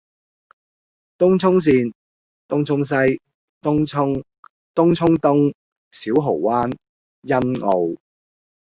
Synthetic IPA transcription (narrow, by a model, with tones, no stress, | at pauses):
t̪ʊ˥ŋt͡sʰʊ˥ŋs̬iː˧n | t̪ʊ˥ŋt͡sʰʊ˥ŋs̬ɐ˥j | t̪ʊ˥ŋʰʊ˥ŋ | t̪ʊ˥ŋt͡ʃʰʊ˥ŋt̪ʊ˥ŋ | siː˨˥wɦo˨˩wwaː˥n | jɐ˥nŋo˨˧w